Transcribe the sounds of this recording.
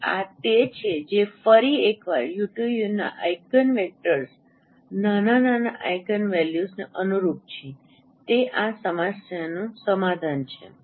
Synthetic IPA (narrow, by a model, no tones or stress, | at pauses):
a̰t̪et͡ʃʰed͡ʒefəɾiekʋa̰ɾjuʈujuna̰ʔajkənʋek̚ʈəɾs | nanananaʔajkənʋɛljusneʔənuɾup̚t͡ʃʰe | t̪eʔasəmasjanũsəmad̪ʱant͡ʃʰḛ